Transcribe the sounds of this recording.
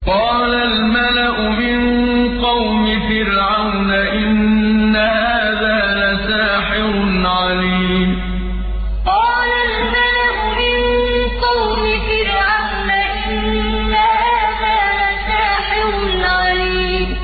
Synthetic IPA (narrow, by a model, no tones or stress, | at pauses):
qɑːlalmalaʔʊmɪnqɑwmɪfɪɾʕawnaʔɪnːahaːðaːlasaːħɪɾʊnʕaliːm | qɑːlalmalaʔʊmɪnqɑwmɪfɪɾʕawnaʔɪnː | ahaaːðaːlasaːħɪɾʊnʕaliː | m